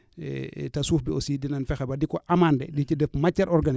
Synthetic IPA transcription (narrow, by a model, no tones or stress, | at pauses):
tasuːfbiosidinanfɛxabadikoʔamaːndɛdit͡ʃidɛfmacːaɾʔɔɾɡan